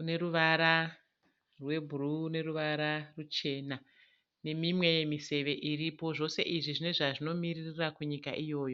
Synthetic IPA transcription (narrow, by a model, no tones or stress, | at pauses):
une̞ɾuʋaɾa | rwe̞bʱuruːne̞ruʋaɾarut͡ʃe̞ːna | ne̞mimwe̞je̞mise̞ʋe̞ʔiripo̞ʐo̞se̞̰ʔiʐiʐine̞ʐaʐino̞miririrakuɲika̰ʔijo̞ːjo̞